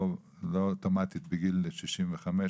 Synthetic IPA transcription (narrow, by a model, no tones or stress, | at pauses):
lot̪omat̪it̪beɡilʃiʃimveχame